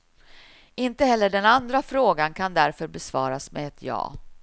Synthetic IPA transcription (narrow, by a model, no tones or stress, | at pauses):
ɪnt̪əhɛlːəɖɛnand̪ɾafɾoːɡankʰand̪æɾfœɾbɛsvɑːɾasmeɛ̰ɛt̪ʰjɑ̰ː